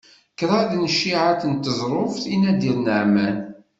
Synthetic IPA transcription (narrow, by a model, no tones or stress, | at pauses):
kɾˤaðnʃːiʕaθənt̪əzˤɾˤofθinæd̪ilnəʕmæn